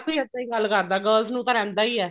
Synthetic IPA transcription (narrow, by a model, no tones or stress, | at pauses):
t̪uiːət̪ːãːĩːɡəlːkəɾd̪aːɡəːlznũːt̪ãːɾɛ̃ːnd̪aːiːɛː